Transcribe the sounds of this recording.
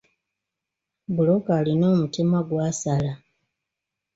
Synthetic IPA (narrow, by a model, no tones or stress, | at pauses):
bulokaːlino̞ːmutimaɡwaːsala